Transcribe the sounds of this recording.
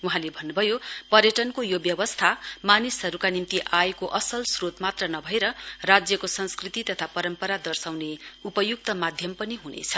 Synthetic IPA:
uɦãlebʱʌnːubʱʌjopʌrjʌʈʌnkojobjʌbʌst̪ʰamanisɦʌɾukanimt̪iʔajkoʔʌsʌlsrot̪mat̪rʌnʌbʱʌeɾʌrad͡zjʌkosʌnskrit̪it̪ʌt̪ʰapʌɾʌmpʌɾad̪ʌrsawneupʌjuk̚t̪ʌmad̪ʱjʌmpʌniɦunḛt͡sʰʌ̥

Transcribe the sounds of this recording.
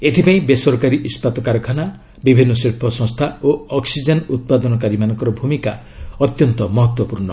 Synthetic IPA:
et̪ʰipaĩbesɔɾkaɾiʔispat̪ɔkaɾɔkʰana | bibʱinːɔsiɾpʰɔsɔ̃ŋst̪ʰaoɔksid͡ʒenut̪̚pad̪ɔnɔkaɾimanɔ̃ŋkɔɾɔbʱumika | ɔt̪jɔnt̪ɔmɔɦɔt̪wɔpuɾɳɔ

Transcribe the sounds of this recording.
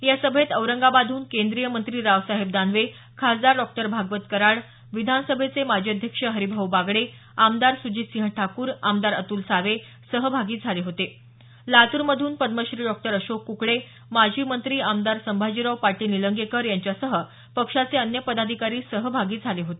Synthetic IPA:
jasəbʱet̪əʋɾəŋɡabad̪ʱuːnkend̪ɾijəmənt̪ɾiːɾaʋsaɦeb̚d̪anʋe | kʰasd̪aɾɖɔk̚ʈəɾbʱaɡʋət̪kəɾaɭ | ʋid̪ʱansəbʱet͡semad͡ʑʱiəd̪ʱjəkʂəɦəɾibʱəʋbaɡɭe | amd̪aɾsud͡ʑiːt̪sĩɦəʈʰakuːɾamd̪aɾə̰t̪uːlsaʋe | səɦəbʱaɡiːd͡zʱaleɦot̪e | lat̪uːɾməd̪ʱuːnpəd̪məɕɾiːɖɔk̚ʈəɾəɕokːukɭe | mad͡ʑʱiːmənt̪ɾiːamd̪aɾsəmbʱad͡ʑiɾəwpaʈiːniləŋɡekəɾjaɲt͡ɕjasəɦə | pəkʂat͡seənjəpəd̪ad̪ʱikaɾiːsəɦəbʱaɡiːd͡zʱaleɦot̪e

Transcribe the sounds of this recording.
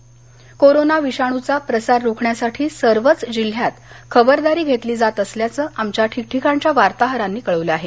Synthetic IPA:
koɾonaʋiɕaɽ̃ut͡sapɾəsaɾːukʰɳjasaʈʰiːsəɾʋət͡sd͡ʑil̤jat̪kʰəbəɾd̪aɾiːɡʱet̪liːd͡zat̪əsljat͡səːʔamt͡ɕjaʈʰik̚ʈʰikaɲt͡ɕjaʋaɾt̪aɦəɾanːiːkəɭəʋləaɦe

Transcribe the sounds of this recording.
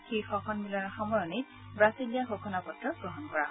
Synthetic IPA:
xixɔkʰɔnmilɔɹxɔmɔɹɔnit | bɹasilijaxokʰɔnapɔtɹɔɡɹɔɦɔnkɔɹa

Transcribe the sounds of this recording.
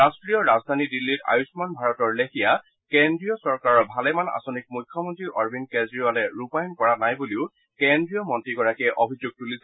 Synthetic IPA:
ɹastɹijɔɹazdʱanidilːita̰jusmanbʱaɹɔtɔɹlexija | kendɹijɔsɔɹkaɹɔɹbʱalɛmana̰sonik̚mujkʰːjɔmɔntɹiʔɔɹbʱinkezɹialɛɹupajɔnkɔɹanajbuliʊ | kendɹijɔmɔntɹiɡɔɹakɛʔobʱizuɡ̚tulisɛ

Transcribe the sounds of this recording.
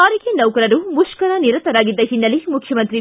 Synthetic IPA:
aːɾikenɐwkɐɾɐɾumuʂkɐɾɐniɾɐnt̪ɐɾaːɡid̪ːɐɦinːɐlimukʰjɐmɐnt̪ɾi

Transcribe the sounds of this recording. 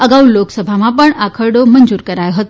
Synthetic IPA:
əɡauloksəbʱamãpəɳakʰəɾɖomənd͡ʒuɾkəɾajoɦət̪o

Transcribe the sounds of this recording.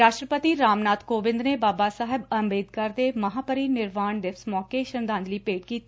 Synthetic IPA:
ɾaːʃʈɾəpət̪iːɾaːmnaːt̪koːʋɪ̃nd̪neːbaːbaːsaːɦɪbəmbeːd̪kəɾd̪eːməɦaːpəɾiːnɪɾʋaːɳɖ̪ɪfʰsmɔːkeːʃənd̪aːnd͡ʒ̪liːpeːʈ̚kiːt̪ː

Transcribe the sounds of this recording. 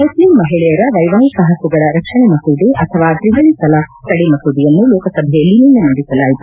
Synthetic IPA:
muslimːɐɦiɭɛjɐɾɐʋɐjʋaːnisɐɦɐsuɡɐɭɐɾɐkʂɐɳemɐsuːd̪iʔɐt̪ʰɐʋaːt̪ɾiŋɡɐɭisɐlaːt̪ɐɽimɐsuːd̪ijɐnːulɔːkɐsɐbʱɛjɐlːininːɐnɐɳɖisɐlaːjit̪u

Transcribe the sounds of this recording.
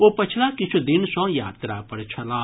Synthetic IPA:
opət͡ʃʰlakit͡ʃʰud̪insɔ̃ja̰ːt̪ɾapəɾt͡ʃʰəla

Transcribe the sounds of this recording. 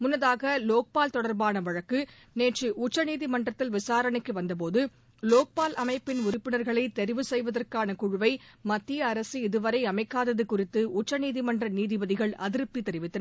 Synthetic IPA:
mʊnːɐðaːɣɐloːk̚paːlt̪ɔɽɐɾbaːnɐʋɐɻɐkːɯ | neːʈrɯʔʊt͡ʃːɐniːðimɐɳɖrɐt̪ːɪlʋɪsaːɾɐɳɪkːɯʋɐnd̪ɐp̬oːðɯ | loːk̚paːlʔɐmɐɪpːɪnʊɾɪpːɪnɐɾɣɐɭɐɪt̪ɛɾɪʋɯsɛjʋɐðɐrkaːnɐkʊɻɯʋɐɪmɐt̪ːɪjɐːɾɐsɯɪðɯʋɐɾɐɪɐmɐɪkːaːðɐðɯkʊrɪt̪ːɯʊt͡ʃːɐniːðimɐndrɐniːðɪbɐðɪɣɐɭʔɐ̰ðɪɾɯpːit̪ːɛɾɪʋɪt̪ːɐnɐ

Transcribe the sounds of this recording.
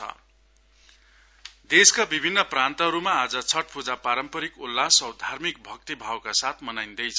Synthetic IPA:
ʌ̰ | d̪eskabibʱinːʌprant̪ʌɦʌɾumaːd͡zʌt͡sʰʌʈ̚pud͡zapaɾʌmpʌɾikulːasʌwd̪ʱarmik̚bʱʌk̚t̪ibʱawkasat̪ʰmʌnajnd̪ʌjt͡sʰʌ

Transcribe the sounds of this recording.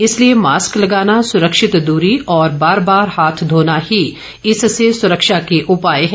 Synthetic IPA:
ɪsliemaːsklɐɡaːnasʊɾəkʃɪt̪d̪uːɾiʔɔːɾbaːɾbaːɾhaːt̪ʰd̪ʱoːnahi | ɪssesʊɾəkʃakeʔʊpaːeɦɛ̃ː

